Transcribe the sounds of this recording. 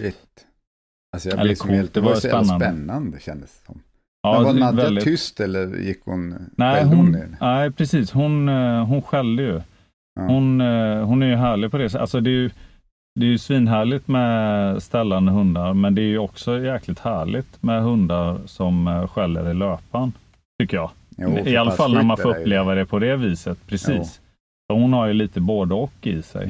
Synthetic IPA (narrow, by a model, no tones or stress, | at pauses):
t̪ | sɔɛ̰əkʰud̪ɛvajspɛnːanənːand̪əɕɛnd̪əsɔm | ɑːvɛld̪ɪʏst̪ɛlːə̰ɾjɪ̰kːhʊ̰nnɛɪɦʊnnæɪpʰɾɛsiːshʊnɦʊnɧɛlːəjɵ | hʊnɦʊnæɾjɵɦæːɭɪɡpʰɔd̪ɛsa̰lsɔd̪ɛːjɵ | d̪ɛːjɵsviːnɦæːɭɪt̪mɛst̪ɛlːand̪əɦɵnd̪aɾmɛnd̪ɛːɾjɵɔksɔjæːɾkʰlɪt̪hæːɭɪt̪mɛɦɵnd̪aɾsɔmɧɛlːə̰ɾɪløːpan | t̪ʰʏkːəjɑː | ɪalːafalnæɾmanfɔːɾɵpːleːvad̪ɛpʰɔd̪ɛviːsət̪pʰɾɛsiːs | sɔhʊnhaɾjɵliːt̪əboːd̪əɔkːɪ̰sɛ̰j